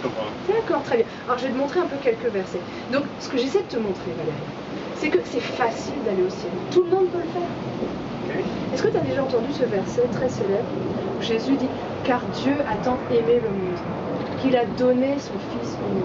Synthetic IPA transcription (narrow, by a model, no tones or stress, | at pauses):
d̪akɔʁt̪χɛbjɛ̃aɔʁʒəved̪əmɔ̃t̪χeɛ̃pøkʲɛlkəvɛʁsɛ | d̪ɔ̃ksə̥kəʒesɛjd̪ət̪əmɔ̃t̪χevaleʁja | sɛkəsɛfasild̪aleosjɛlt̪uləmɔ̃d̪̚pøləfɛːʁ | ɛskət̪yad̪eʒaɑ̃t̪ɑ̃d̪ysəvɛʁsɛt̪χɛselɛbʁ | uʒezyd̪i | kaʁd̪jøat̪ɑ̃emeləmɔ̃d̪ | kʲilad̪ɔnesɔ̃fisomɔ̃